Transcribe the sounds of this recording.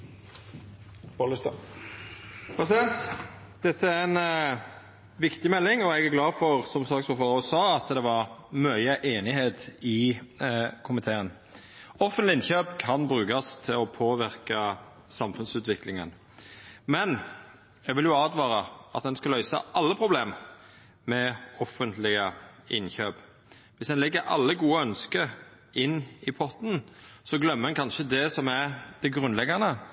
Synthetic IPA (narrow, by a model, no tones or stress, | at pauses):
bolɪst̪ | bɑsɛnt̪ | d̪̥ɛt̪ːəæɾɛn | ʋɪkt̪ɪmɛlːɪŋɔɛɡæɾɡlɑːfɔʁsɔmsɑːksɔfɑːʁɔsɑːɑt̪d̪ɛʋɑʁmœʏəʔeːnɪɦeːt̪ɪ | kʰʊmɪt̪ʰeːən | ɔfənt̪lɪɪnçøːpkʰɑnbɾʉːkɑst̪ʰɪlɔpʰoːʋɪɾkɑ | sɑmfʉnsʉːt̪ʋɪklɪŋə̰n | mɛn | ɛɡʋɪljʊɑːd̪ʋɑːɾɑɑ̰t̪̚d̪ɛnskɑlœʏsɑ̰ʔɑlːəpʰɾʊbleːm | mɛɔfːənt̪lɪəʔɪnçøːp | ʋɪsd̪ɛnlɛɡːəɾʔɑ̰lːəɡuːəœnskəɾ | ɪnːɪpʰɔt̪n̩sɔɡlœmːəɾɛnkʰɑnʃəd̪ɛsɔmæɾd̪̥ɛɡʁʉnlɛɡɑnə